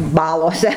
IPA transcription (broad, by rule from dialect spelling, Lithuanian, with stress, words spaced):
ˈbɑːlˠoːsʲɛ